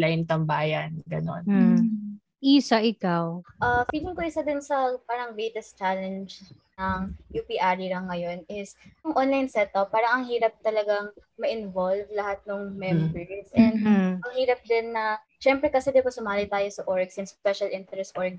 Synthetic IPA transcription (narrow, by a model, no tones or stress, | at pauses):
lajnt̪ɐmbaːjɐnɡɐ̰no̰n | ʔisɐʔɪkawʔɐfiːlɪŋkoɪsɐd̪onsɐpaːɾɐŋvejt̪ɛst̪t͡ʃalɛnd͡ʒnɐŋjupiʔaɹiɾɐŋːɐjo̞nɪsʊŋʔonlɐjnsɛt̪ʔɐpːaːɾɐŋɐŋhiːɾɐp̚t̪ɐlɐɡaŋmɐʔɪnvolvlɐhat̪̚nʊŋmɛmbɛɹsʔɛnd̪ɐŋhiːɾɐp̚d̪ɪnːɐ | ʃɛmpɾɛkɐsɛd̪ɪpɐsʊmaːlɪt̪aːjosɐʔoɹɡsɪnspɛʃɐlʔɪnt̪ɛɾɛst̪ʔoɹɡ̚